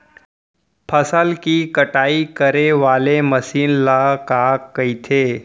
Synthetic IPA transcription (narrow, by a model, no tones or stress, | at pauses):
pʰəsəlkikəʈaːikəɾeʋaːleməsiːnlakakəit̪ʰeː